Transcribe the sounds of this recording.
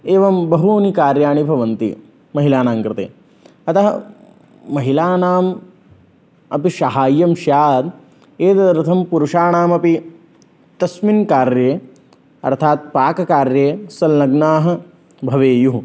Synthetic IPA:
eːʋɐmbɐɦuoːnikaːɾjaːɳibʱɐʋɐnt̪ḭ | mɐɦilaːnaːmkɾɪt̪ḛː | ɐt̪ɐɦɐː | ɐɦilaːnaːm | ɐpiʃɐɦaːjːɐmʃjaːd̪ | eːd̪ɐɾɨt̪ʰɐmpuɾuʂaːɳaːmɐpi | t̪ɐsminkaːɾjeː | ɐ̰ɾt̪ʰaːt̪̚paːkɐkaːɾjeːsɐlnɐɡnaːɦɐ̆ | bʱɐʋeːju

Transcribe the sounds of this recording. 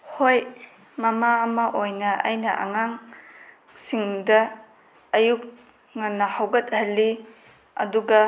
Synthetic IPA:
hoj | mɐmaːmaʔojnɐʔa̰jnɐʔɐ̰ŋaŋ | siŋdɐː | juk̚ | ŋanːɐhawɡɐt̚hɐlːi | ɐ̰duɡɐ

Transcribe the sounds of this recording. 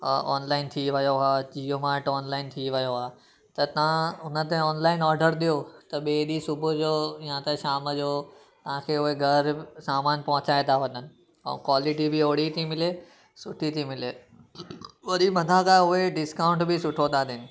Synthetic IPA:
ɔ̰ːnlaːɪnt̪ʰiʋɐjoɦaːd͡ʑiːjomaːʈɔːnlaːɪnt̪ʰiʋɐjoɦaː | t̪ɐt̪ɐʋ̤ãʊnət̪̬ẽɔːnlaːɪnɔːɾɖəɾd̪ijot̪ɐɓeːɗisʊbʱʊd͡ʑoːjãt̪eʃaːməd͡ʑoː | t̪ɐʋ̤ãkʰeːʊɦeɡʱɐɾsaːmaːnpɐ̃ɦʊ̃t͡ɕaːet̪ʰaʋɐɲənɪ̆ | ɛ̰̃kwaːlɪʈibʱɪoːɽ̤it̪ʰimɪle | sʊʈʰit̪ʰimɪle | ʋɐɗʱimɐd̪ʱakaʊɦeɖɪskãːʊ̃ɳʈbɪsʊʈʰod̪ad̪ɪnɪ̆

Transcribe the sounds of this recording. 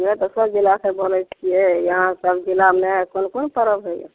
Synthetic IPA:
mɾet̪ɔsəbd͡ʒilakebolɛt͡ʃʰijɛjəɦãsəbd͡ʒilamnɛkonkonpəɾəbɦəjɛ̰

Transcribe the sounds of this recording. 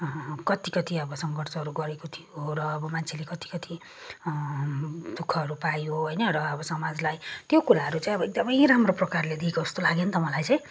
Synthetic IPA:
kʌt̪ikʌt̪iʌbʌsʌŋɡʌrt͡sʌɦːɾuɡʌɾekot̪ʰijoɾʌːbʌmant͡sʰelekʌt̪i̥kʌt̪ʰi | d̪̥ukʰːʌɦʌɾupajoɦʌjnʌɾʌːbʌsʌmad͡zlajt̪jokulaɦʌɾut͡saj̃ʌbʌek̚d̪ʌmʌjramroprʌkarled̪iekoust̪olaɡent̪ʌmʌlajt͡sãj̃

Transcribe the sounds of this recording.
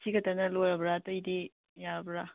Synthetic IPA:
tʰiɡɐtɐnɐlojɾɐbɾatɐjdi | jabɾa

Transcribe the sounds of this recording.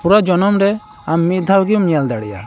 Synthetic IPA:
puɾad͡ʒɔnɔmɾɛ | amːit̪̚d̪ʱawɡimijald̪aɽḭja̰

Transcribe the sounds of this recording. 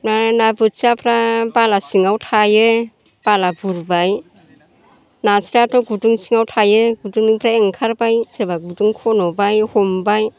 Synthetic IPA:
nanabɯt̚sapʰɾabalasiŋawtʰajɯ | b̥alabuɾbaj | nasɾatʰɔɡuduŋsiŋawtʰajɯɡuduŋniŋpʰɾaeŋkʰaɾbajsebaɡuduŋkʰɔnɔbajhɔmbaj

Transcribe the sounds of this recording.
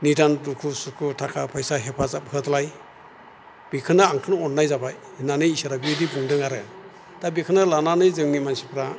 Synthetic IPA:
nidandukʰusukʰutʰakʰapʰajsaɦepʰazap̚hɯtlaj | b̥ikʰɯnaːŋkʰɯnɔnnːajzabaj | nanɯjisaɾabiɯdibuŋdɯŋaɾɯ | tabikʰɯnalananɯjzɯŋnimansipʰɾa

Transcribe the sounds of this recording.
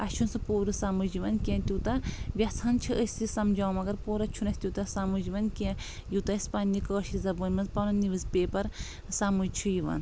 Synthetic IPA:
ɐʃʰunsɨpoːɾɨsamɨd͡ʒiʋɐnkʲẽːt̪ʲut̪ɐʋʲɐt͡sʰɐnt͡ʃʰiʔəsʲt̪isɐmd͡ʒaːwmɐɡɐɾpoːɾɐt͡ʃʰunɐsʲt̪ʲut̪ɐsamud͡ʒiʋɐnkẽ | jut̪ɐspandikəːʃizɐbɐnʲmɐzpɐnɐniʋɨzpeːpɐɾ | saːmut͡ʃʰujiʋɐ̰n

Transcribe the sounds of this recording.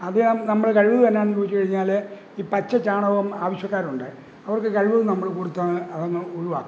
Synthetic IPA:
ɐðɨnɐmːɐɽek̬ɐɻiʋɐðɨt̪ɐnːeaːɳt͡ɕoːit͡ɕːukɐɻiɲːaːle | iːpɐt͡ɕːɐt͡ɕaːɳɐʋɐmaːʋɐɕjɐkːaːɾuɳɖɨ | ɐʋɐrkːɨkɐɻiʋɐðnɐmːɐɭekurut̪ːaːɳɨɐðɐnːɐoɻuʋaːk

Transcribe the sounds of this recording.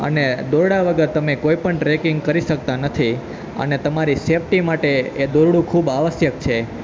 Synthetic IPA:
ə̰ned̪oɾɽaʋəɡəɾt̪əmekoipəɳʈɾekɪŋɡkəɾiʃək̚t̪anət̪ʰi | ə̰net̪əmaɾisefʈimaʈeːd̪oɾɽũkʰubaʋəsjək̚t͡ʃʰe

